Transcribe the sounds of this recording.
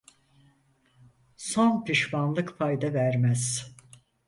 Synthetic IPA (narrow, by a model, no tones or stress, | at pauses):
sonpʰiʃmanlˠɯkpʰajd̪avæɾmæz̥